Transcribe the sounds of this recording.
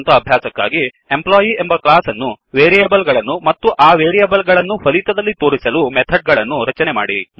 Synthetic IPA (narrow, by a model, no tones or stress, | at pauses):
nt̪ɐːbʱjaːsɐkːa̰ːɡi | e̞mplaːjie̞mbɐklaːsɐnːu | ʋeːɾijɐbɐlɡɐɭɐnːumɐt̪ːuʔaːʋeːɾijɐbɐlɡɐɭɐnːupʰɐlit̪ɐd̪ɐlːit̪o̞ːɾisɐlumet̪ʰɐɖ̚ɡɐɭɐnːuɾɐt͡ʃɐnema̰ːɽi